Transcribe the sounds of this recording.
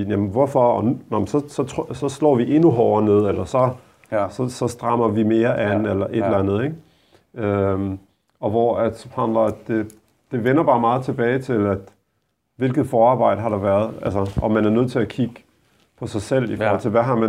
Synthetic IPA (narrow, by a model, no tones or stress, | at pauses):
inæmnʋɒfɒ̽ɒnunɒmnsɒ̽sɒ̽t͡sʰsɒ̽slɔ̰ːʋiʔe̝nuɦɒʊɐne̝ð̰ˠelɐsɒ̽ | sɒ̽sɒ̽sd̥ʁɑ̈m̰ɐʋime̝ːɐʔænelɐʔe̝d̥lænð̞̩ˠeɡ̥ | ø | ɒ̽ʋɒæd̥shɑnd̥lɐd̥e̝ | d̥e̝ʋenɐb̥ɑ̈ːmɑ̈ːð̩ˠt͡sʰe̝b̥ɛːɪt͡sʰe̝læd̥ | ʋe̝lɡ̥ð̩ˠfɒːɑ̈ːbɑ̈ɪ̰ɾ̥əɦɑ̈dɾ̥ɑ̈ʋæːɐð̞ˠælsəʔɒ̽mːænæɐnøð̰ˠt͡sʰe̝lækʰiɡ̥ | pʰɒ̽sɑ̈ɪsel̰ifɔ̰ːhɒl̰t͡sʰeʋæɦɑ̈mæ